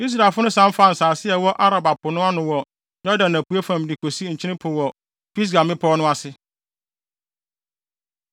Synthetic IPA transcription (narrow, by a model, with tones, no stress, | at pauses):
i˦s̬ɾa˨lfʊ˦nʊ̃˦sã˦m̩˦fa˦˨n̩˨saː˨sɪ˦ɛ˨wɔ˦ʔa˦ɾa˨ba˨pʊ˨nʊ̃˦a˦nʊ̃˨wɔ˨ | jɔ˦dã˨næ˨pu˨˦æ˦fã˨m˨dɪ˨kʰo˨si˦ɲ̩˨t͡ɕʰɪ˦ɪ̃˦pʰʊ˨wɔ˨ | pi˦s̬ɡã˨mɪ̃˦pʰɔː˦nʊ̃˦a˦sɪ˦